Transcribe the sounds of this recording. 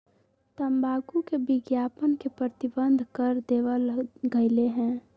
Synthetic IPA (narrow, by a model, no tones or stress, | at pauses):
t̪əmbʱaːɡukebɪɡjaːpənkepɾət̪ɪbənd̪ʱkəɾd̪eːʋəlɡəɪleɦɛ̃ː